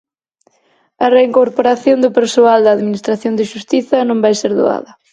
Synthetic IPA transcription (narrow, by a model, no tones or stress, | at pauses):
ɐreiŋkoɾpoɾaθjond̪ʊpeɾsoald̪ɐːðminist̪ɾaθjond̪ɪʃust̪iθɐnõmbajseɾðo̰a̰ðɐ